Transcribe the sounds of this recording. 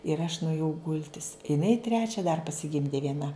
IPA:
ɪr ɐʃ nʊeːˈjɛʊ ˈɡʊlʲtʲɪs ɪˈnɐɪ ˈtʲrʲæːt͡ʃʲɛ dɐr pɐsʲɪˈɡʲɪmʲdʲeː ʋʲiɛˈnɐ

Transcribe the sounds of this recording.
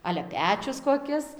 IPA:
ˈɑːlʲɛ ˈpʲæːt͡ʃʲʊs koːˈkʲɪs

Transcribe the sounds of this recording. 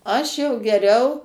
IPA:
ˈɐʃ jɛʊ ɡʲɛˈrʲɛʊ

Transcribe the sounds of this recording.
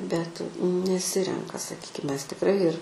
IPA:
bʲɛt nʲɛˈsʲɪrʲɛŋkɐ sɐˈkʲiːkʲɪm ˈmʲɛs tʲɪkˈrɐɪ ɪr

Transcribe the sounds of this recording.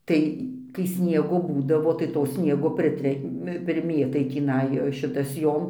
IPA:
ˈtɐɪ kɐɪ ˈsʲnʲiɛɡoː ˈbuːdɐʋoː tɐɪ toː ˈsʲnʲiɛɡoː pʲrʲɪˈtʲrʲæːmʲɪ pʲrʲɪˈmʲeːtɐɪ tʲiːˈnɐɪ ˈʃʲɪtɐs ˈjoːm

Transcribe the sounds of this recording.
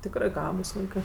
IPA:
ˈtʲɪkrɜ ˈɡɑːbʊs ˈʋɐɪkɜ

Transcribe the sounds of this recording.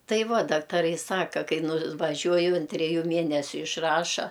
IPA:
ˈtɐɪ ˈʋɐ dɐktɐˈrɐɪ ˈsɑːkɐ ˈkɐɪ nʊʋɐˈʒʲuɔjʊ ɐn tʲrʲɛˈjuː ˈmʲiɛnʲɛsʲʊ ɪʃˈrɑːʃɐ

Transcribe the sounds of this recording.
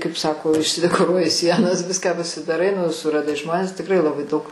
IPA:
kɐɪp ˈsɑːkoː ɪʃʲsʲɪdʲɛkoːˈruɔjɪ ˈsʲiɛnɐs ˈʋʲɪskɑː pɐsʲɪdɐˈrɐɪ nʊ sʊrɐˈdɐɪ ˈʒmoːnʲɛs tʲɪkˈrɐɪ lˠɐˈbɐɪ dɐʊk

